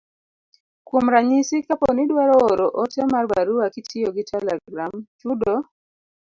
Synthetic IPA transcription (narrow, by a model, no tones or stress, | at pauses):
kwomɾaɲisikapɔnidwaɾɔːɾɔʔɔtɛmarba̰ɾuakitʰɪɔɡitʰɛlɛɡɾamt͡ʃudɔ